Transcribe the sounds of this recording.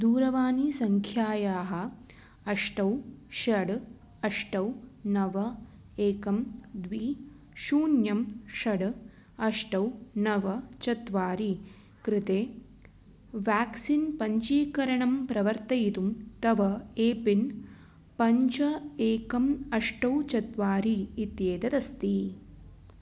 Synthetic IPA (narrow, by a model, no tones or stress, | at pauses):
d̪uːɾɐʋaːnisɐŋkʰjaːjaːɦɐ̆ | ɐʂʈɐwʃɐɽ | ɐʂʈɐwnɐʋɐ | eːkɐmd̪ʋiː | ʃuːnjɐmʃɐɽ | ɐʂʈɐwnɐʋɐt͡ʃɐt̪ʋaːɾi | kɾɪt̪eː | ʋaːksinpɐɲt͡ʃiːkɐɾɐɳɐmpɾɐʋɐɾt̪ɐjit̪umt̪ɐʋɐeːpin | pɐɲt͡ʃɐeːkɐmɐʂʈɐwt͡ʃɐt̪ʋaːɾiːt̪jeːd̪ɐd̪ɐst̪i